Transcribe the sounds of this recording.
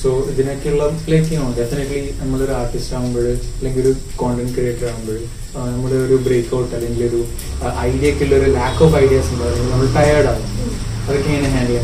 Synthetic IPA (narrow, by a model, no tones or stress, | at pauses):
soːd͡ʑinɐkːilːɐlekːiaoːɖefinɐʈlinɐmːɐɭoɾuaːrʈisʈaːɣumboːɭɨɐlːe̞ŋɡiloɾukoːɳɖɐnkrijekʈːɐraːʋumboɭ | nɐmːɐɭeoɾubɾeːkːɐwʈːɐlːe̞ŋɡiloɾu | ʔɐjdiekːilːɐoɾulaːkːoːfɐjɖijɐsuɳɖaːɐɲːnɐmːɐɭʈɐjaɾɖaːɣɨ | ɐðɐkːeŋːɐneɲaːnilːa